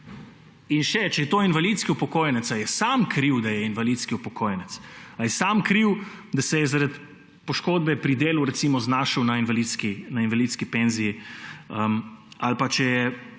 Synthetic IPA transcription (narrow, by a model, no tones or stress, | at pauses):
inʃɛt͡ʃɛjɛt̪oːinvaliːt̪skiupɔkoːjnɛt̪sajɛsaːmkɾiwd̪ajɛinʋaliːt̪skiupɔkʰoːjnɛt̪sajɛsaːmkɾiwd̪asɛjɛzaɾat̪ | pɔʃkoːd̪̚bɛpɾid̪eːluɾɛt̪simɔznaːʃəwnainʋalit̪skinainʋaliːt̪skipeːnzijiəmalpat͡ʃɛjɛ